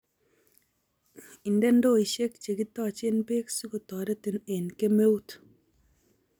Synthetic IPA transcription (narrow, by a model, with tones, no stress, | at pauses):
i˨ndɛ˦n˦do˦i˨ʃe˦k̚t͡ʃe˨ki˦tɔ˦˨t͡ʃe˦npe˦ksu˦ku˨tɔ˨de˦ti˨ne˨nke˦me˦u˦t